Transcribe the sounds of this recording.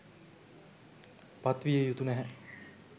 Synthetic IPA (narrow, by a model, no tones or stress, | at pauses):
pat̪ʋijejut̪unɛɦɛ